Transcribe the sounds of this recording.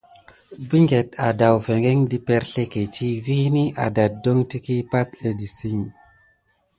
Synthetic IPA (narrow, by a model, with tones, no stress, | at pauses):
bi˦ŋɡe˨ta˨da˨wfe˨ŋɡe˦ŋdi˦pe˦ɾɬe˦ke˨t͡ʃi˦vi˦ni˦ʔa̰˨da˨t̚do˦ŋti˦ki˦pa˦kə˨di˨si˦ŋ